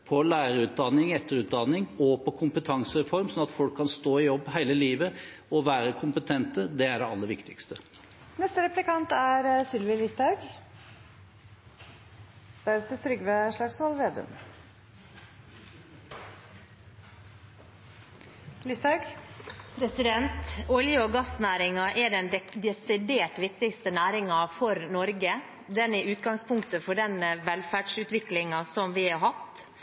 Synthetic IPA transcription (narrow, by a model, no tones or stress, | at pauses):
pʰɔlæːɾəʉːt̪̚d̪ɑnːɪŋɛt̪ʰːəɾʉːt̪̚d̪ɑnːɪŋɔpʰɔkʰʊmpət̪ʰɑŋsəɾɛfɔɾmsɔnɑt̪fɔlkʰːɑnst̪oːɪjɔbːɦæɪləliːʋə | ɔʋæːɾəkʰʊmpət̪ʰɛnt̪əd̪ɛæɖɛɑlːəɾʋɪkt̪ɪkst̪ə | nɛst̪əɾɛplɪkɑnt̪æɾsʏlʋɪlɪsd̪ɑʉɡ | d̪̥æɾɛt̪ət̪ʰɾʏɡʋeʂɭɑɡsʋɑlʋeːd̪ʉ̰m | lɪsd̪ɑʉɡpʰɾɛsɪd̪ɛnt̪ɔljəoɡɑsnæːɾɪŋɑʔɛɖɛnɛd̪ɛsɪd̪eːʈʋɪkt̪ɪkst̪ənæːɾɪŋɑfɔɾnɔɾɡə | d̪ɛnɛʔʉːt̪̚ɡɑŋspʰʊŋkt̪əfɔɖɛnʋɛlfæːɖsʉːt̪ʋɪklɪŋɑsɔmʋɪhɑɦɑt̪